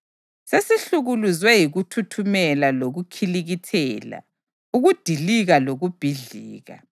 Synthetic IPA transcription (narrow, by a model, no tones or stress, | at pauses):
sesiɬuɣuluzwɛjiɣutʰutʰumɛlaloɣukʰiliɣitʰɛːla̰ | uɣud̥ʱiliɣaloɣub̥ʱiɮiːɣa̰